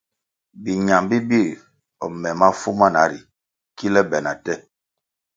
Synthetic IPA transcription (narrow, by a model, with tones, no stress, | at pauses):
bi˨ɲa˨mbi˦bi˦˨ | ɔ˨mɛ˨ma˦fu˦ma˦na˨˦ɾi˨ | ki˦lɛ˦bɛ˨na˨tɛ˦˨